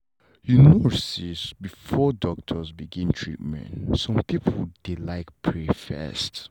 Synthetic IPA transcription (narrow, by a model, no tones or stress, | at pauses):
junɔɹsisbifɔdɔk̚tʰəzbiɡĩntʰɹḭt̚mɛ̰̃ntsɔ̃mpipʰəld̥elaɪkpʰɹefɛ̰st